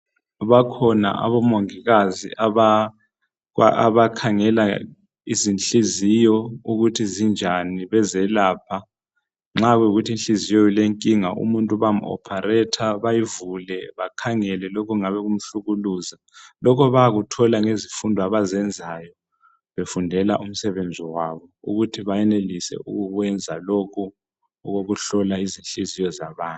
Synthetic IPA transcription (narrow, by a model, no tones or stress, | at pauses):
βakʰɔna̰ʔa̰βɔmoŋiɣazḭʔaβa | aa̰βakʰaŋɛla | izinɬʼizijɔuɣutʰizind͡ʒʱaniβɛzɛlaːpʰa | ŋ͡ǁaɣɛuɣutʰinɬʼizijɔileŋkʼiŋaʔṵmuntʼuβam̩ɔ̰pʰarɛtʰaβajivulɛβakʰaŋɛlɛlɔkʰɔŋaβɛɣum̩ɬuɣuluːza | lɔkʰɔβaaɣutʰɔlaŋezifundʱaβazɛnd͡zʱajɔ | βefundʱɛla̰ʔum̩sɛβend͡zʱiwaβɔṵɣutʰiβajɛnelisɛ̰ʔṵɣuɣwɛnd͡zʱalɔkʰɔː | ɣoɣuɬɔlaizinɬizijɔzaβaːntʼ